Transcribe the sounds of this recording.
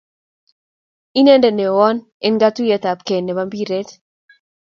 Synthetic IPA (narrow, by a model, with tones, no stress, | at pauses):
i˦ne˦ndɛ˨ne˨wɔ˦n | e˦nɡa˦tu˦jɛ˦t̪a˨p̚ke˨nːɛ˨ba˦mbi˦ɾe˦t